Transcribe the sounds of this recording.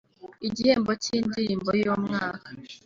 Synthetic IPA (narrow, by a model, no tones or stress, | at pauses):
iɟiheːmbociːndimbojoːmŋaːkḁ